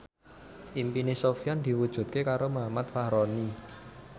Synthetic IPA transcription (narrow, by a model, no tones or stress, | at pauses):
ʔimpinesofiand̪̥i̤wud̥ʒ̥ṳt̪̚kekaɾomamat̪̚fahɾɔni